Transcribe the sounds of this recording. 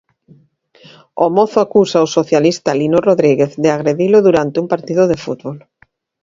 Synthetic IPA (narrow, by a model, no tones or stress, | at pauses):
omɔθoakusaosoθjalist̪alinoroðɾiɣeθðeaɣɾeðiloðuɾant̪ɪumpaɾt̪iðʊðefṵt̪βol